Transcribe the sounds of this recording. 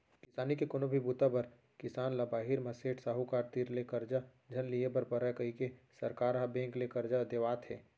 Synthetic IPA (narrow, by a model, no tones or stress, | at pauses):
kɪsaːnikekonobʱibut̪abɐɾ | kɪsaːnlɐbaːɦiɾmɐseːʈʰsaːɦukaːɾt̪iːɾlekɐɾd͡ʒa | d͡ʒʱɐnliebɐɾpɐɾəkɐikesɐɾkaːɾɦabẽːŋklekɐɾd͡ʒad̪eʋaːt̪ɦɛː